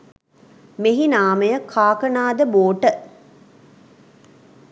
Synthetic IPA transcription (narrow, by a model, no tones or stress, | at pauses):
meɦinaːməjəkʰaːkənaːd̪əboːʈə